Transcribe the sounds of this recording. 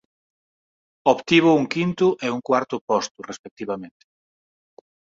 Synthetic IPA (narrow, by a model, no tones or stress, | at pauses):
opt̪iβ̞ʊuŋkint̪ʊʔɛuŋkwaɾt̪ʊpɔst̪ʊrespek̚t̪iβamẽnt̪ɪ̥